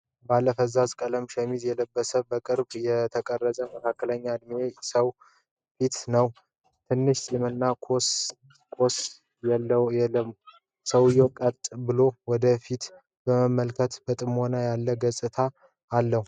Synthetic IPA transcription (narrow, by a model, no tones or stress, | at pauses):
balːəfəzazkʼələmʃɛmizjɛləbːəsəbəkʼɨɾbjɛt̪ʰəkʼərːəzʼəməkʰakːələɲːad̪miesəw | fit̪nəw | t̪ʰɨnːɨʃt̪jɛmənːakʰo | kʰos | jɛlːəjɛlːəm | səwjokʼət̪ʼbɨlowɔd̪əfit̪ | bəməmːəlkʰət̪bət̪ʼɨmhonajalːəɡəsʼɨt̪ʰaː | lːəhu